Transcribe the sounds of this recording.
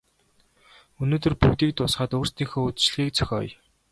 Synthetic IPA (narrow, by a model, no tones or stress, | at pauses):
ɵnoːt̪ɵ̆rpʰut̪iːk̚t̪ʊsχəːt̪oːr̥st̪iːŋxoːɵt̪t͡ɕɮɣiːk̚t͡sʰœ̥xʲɔ̰ːj